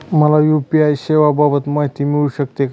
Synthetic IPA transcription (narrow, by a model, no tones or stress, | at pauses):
məlajupiajɕeʋababət̪maɦit̪imiɭuɕəkt̪e